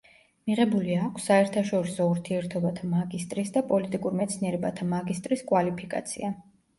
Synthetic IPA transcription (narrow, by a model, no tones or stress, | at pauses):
miʁɛbuliakʷʰsːaɛɾt̪ʰaʃɔɾisɔuɾt̪ʰiɛɾt̪ʰɔbat̪ʰamaɡist̪ʼɾisd̪apʼɔlit̪ʼikʼuɾmɛt̪sʰniɛɾɛbat̪ʰamaɡist̪ʼɾiskʼwalipʰikʼa̰t̪sʰḭa